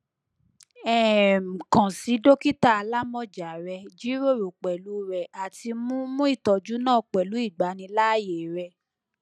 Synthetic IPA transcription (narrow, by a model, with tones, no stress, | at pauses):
ɛ˨m̩˨kã˨si˨˦do˦ki˦ta˦a˧la˦mɔ̃˦d͡ʒa˨ɾɛ˧d͡ʒi˨˦ɾo˦˨ɾo˨k͡pɛ˨lu˨˦ɾɛ˨ʔa˨ti˧mũ˦mũ˦i˦˨tɔ˨d͡ʒu˦nãː˦˨k͡pɛ˨lu˨˦i˦˨ɡ͡ba˨˦nĩ˧la˦je˨ɾɛ˧